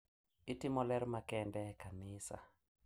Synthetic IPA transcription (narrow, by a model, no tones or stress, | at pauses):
ɪtɪmɔlɛɾmakɛndɛkanɪsa̰